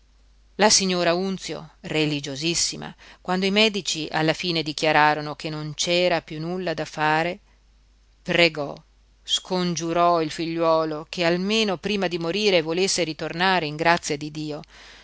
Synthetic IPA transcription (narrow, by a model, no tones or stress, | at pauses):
lasiɲːoːɾaunt̪sjo̰relid͡ʒozisːima̰kwand̪oimɛːd̪it͡ʃiʔa̰lːafiːned̪ikjaɾaːɾonokenːont͡ʃɛːɾapjunːulːad̪afaːɾe | pɾeɡɔ | skond͡ʒuɾɔilfiʎːwɔːlokʰealmeːnopɾiːmad̪imoɾiːɾevolesːeɾit̪ornaːɾeiŋɡɾat̪sːjad̪id̪iːo